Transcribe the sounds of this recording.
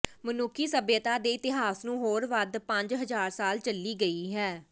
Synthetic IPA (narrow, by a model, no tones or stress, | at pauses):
mənʊkʰiːsəbjət̪aːd̪eːɪt̪ɪɦaːsnũːɦoːɾʋəd̪pə̃ɲd͡ʒɦəzaːɾsaːlt͡ʃəlːiːɡəiːɦɛː